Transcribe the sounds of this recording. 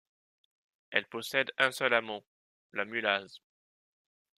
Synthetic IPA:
ɛlpɔsɛd̪ɛ̃sœlamɔ̃ | lamylaz

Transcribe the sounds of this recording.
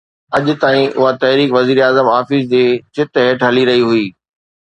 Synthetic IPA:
ɐʄʊt̪aːĩʔʊ̰ɦat̪ɐɦɾiːkʋɐziːɾaːzəmaːfɪsd͡ʑeːt͡ɕɪt̪ɦeːʈɦɐliɾɐɦiɦʊiː

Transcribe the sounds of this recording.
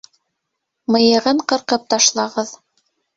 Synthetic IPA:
mɤ̆jɤ̆ʁɤɴqɤ̆ɾqɤp̚t̪ɑʃlˠɑʁɤð

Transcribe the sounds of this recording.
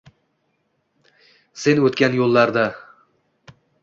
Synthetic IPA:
se̞nɵt̪kʲanjolˠːaɾd̪a

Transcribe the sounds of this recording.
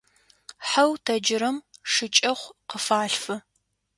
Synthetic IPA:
ħawtʰɐd͡ʒɪɾɐmʂɨt͡ʃʼɐχʷqəfaːɬfɨ

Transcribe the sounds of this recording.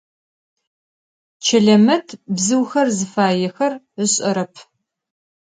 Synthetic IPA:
t͡ʃʰɐɮɐmɐtʰbzɨwxɐrzɨfaːjɛxɐr | əɕʼɐɾɐpʰ

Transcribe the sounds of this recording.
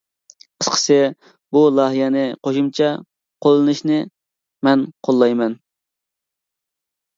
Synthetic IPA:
qʰə̥sqʰə̥sɨ | bulˠɑɦijɛnɪqʰoʃumt͡ʃʰɑ | qʰolˠːɨnɨʃnɪ | mɛnqʰolˠːɑjmɛn

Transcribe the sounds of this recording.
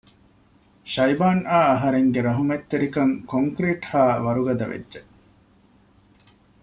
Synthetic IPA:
ʃɐjbaːnaːɐɦɐɾeŋɡeɾɐɦumet̪ːeɾikɐŋkoŋkɾiːʈhaːʋɐɾuɡɐd̪ɐʋḛdːʒe

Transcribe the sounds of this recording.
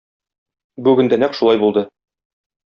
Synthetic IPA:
bʉɡɘ̆nd̪ænækʃulˠɑjbulˠd̪ɤ

